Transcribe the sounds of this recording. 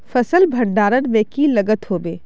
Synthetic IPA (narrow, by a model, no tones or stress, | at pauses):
fɐsəlbʱɐɽɖaːɾənmɛ̃ːkilɐɡət̪ɦoːbeː